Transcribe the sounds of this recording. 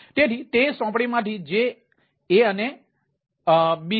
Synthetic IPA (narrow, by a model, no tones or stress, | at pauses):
t̪et̪ʰit̪esɔ̃pɽimãt̪ʰid͡ʒeː | əne | ɓi